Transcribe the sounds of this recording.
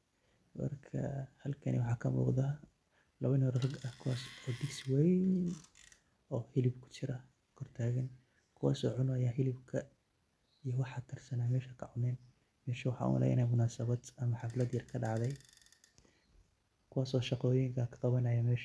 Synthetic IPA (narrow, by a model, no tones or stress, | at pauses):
mɐ̰rkʰɐ̰hɐlkʰɐnḭwɑħɑːkʰɐmṵːqd̪ɐ | lɐβɐnɔrrɐɡɐhkʰʊwaːsɔːd̪ɪɡswɛj | ɔːhɪlɪbkʰʊ̥t͡ʃɪɾɐ | kʰɔrt̪ʰaːɣɐn | kʰʊwa̰ːsɔ̰ːʕʊnʊɐjaːɦɪlɪbkʰɐ | ijɔwɑħɑt̪ʰɪrsɐnaːmɛːʃɐkʰɐʕʊnɛːn | mɛːʃɐwɑħɑ̰ːʊ̰m̰lɛ̰ʔɪ̰nɛjmʊnaːsɐβɐd̪ɐmɐħɑflɐd̪jɐrkʰɐɖɑʕðɛj | kʰʊwaːsɔːʃɑqɔːjɪŋkʰɐkʰɐ̥qɑβɐnɐjɐmɛːʃ